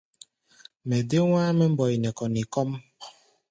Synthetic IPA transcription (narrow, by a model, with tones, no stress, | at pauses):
me˨de˦wʷaː˦me˦m̩˦bɔ˨i˨nɛ˨kɔ˨ni˨kɔ˦m˦